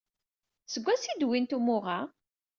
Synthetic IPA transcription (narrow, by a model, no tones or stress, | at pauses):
səɡʷːæsid̪wint̪umʊʁa